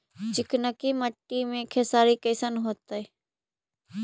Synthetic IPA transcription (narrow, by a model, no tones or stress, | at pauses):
d͡ʒɪknəkiːməʈːiːmẽːkʰesaːɾiːkəːsənɦoːt̪əi